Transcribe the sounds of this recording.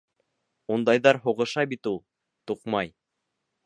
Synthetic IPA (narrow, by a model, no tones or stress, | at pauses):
und̪ɑjðɑɾɦuʁɤ̆ʃɑbit̪ulˠ | t̪uqmɑj